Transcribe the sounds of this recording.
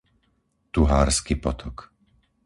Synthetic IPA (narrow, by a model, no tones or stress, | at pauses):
t̪uɦaːɾskipɔt̪ʰɔk